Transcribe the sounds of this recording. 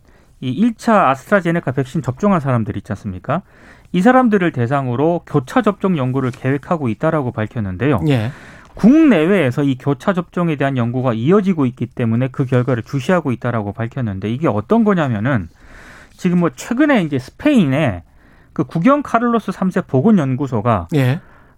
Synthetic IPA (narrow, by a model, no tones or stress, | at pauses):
iiɭt͡ɕʰaːsʰɯ̥tʰɾad͡ʑe̞nekʰape̞k̚ɕ͈int͡ɕʌp̚t͡ɕ͈ʌŋɦansʰaɾamdɯɾit͡ɕ͈ans͈ɯmɲik͈a | is̬ʰaɾamdɯɾɯɭte̞s̬ʰaŋɯɾokjot͡ɕʰad͡ʑʌp̚t͡ɕ͈ʌŋjʌŋɡuɾɯɭke̞we̞kʰaɡoit̚t͈aɾaɡopaɭkʰjʌnːɯnde̞jo̰ekuŋne̞we̞ːsʰʌikjot͡ɕʰad͡ʑʌp̚t͡ɕ͈ʌŋe̞de̞ɦanjʌŋɡuɡaiʌd͡ʑiɡoit̚k͈it͈e̞mune̞kɯkjʌɭɡwaɾɯɭt͡ɕuɕʰiɦaɡoit̚t͈aɾaɡopaɭkʰjʌnːɯnde̞iɡe̞ʌ̰t͈ʌnɡʌɲamjʌnɯn | t͡ɕiɡɯmːwʌt͡ɕʰwe̞ɡɯne̞ind͡ʑe̞sʰɯ̥pʰe̞ine̞ | kɯkuɡjʌŋkʰaɾɯɭːos͈ɯsʰamsʰe̞p͈oɡɯnjʌnɡusʰoɡaje